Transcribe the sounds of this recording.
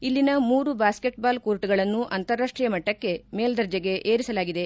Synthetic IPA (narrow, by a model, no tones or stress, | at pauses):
ilːinɐmuːɾubaːske̞ʈbaːlkoːɾʈuɡɐɭɐnːuʔɐnt̪ɐɾːaːʂʈɾijɐmɐʈːɐkːe̞me̞ːld̪ɐɾd͡ʒɐɡe̞ʔeːɾisɐlaːɡid̪e̞